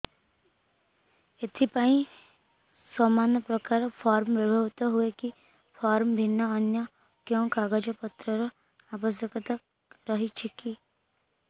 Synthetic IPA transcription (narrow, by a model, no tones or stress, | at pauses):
ɪt̪ʰipaːĩ | sɔːmaːnjəpɾəkaːɾpʰaːɾmʋəbʱəʋt̪aɦueki | pʰaːɾmbʱɪnːaənjə | kjõːkaːɡəd͡ʒəpət̪ɾəɾə | aːpəs̬jəkət̪ak | ɾəɦit͡ʃʰɪki